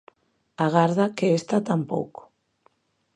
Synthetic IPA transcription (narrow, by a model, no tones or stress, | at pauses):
aɣ̞aɾðakeest̪at̪ampo̰wko̥